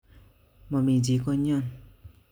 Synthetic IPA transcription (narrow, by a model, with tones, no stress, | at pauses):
mʌ˨mi˨d͡zi˨ko˧ɲʌ˦˨n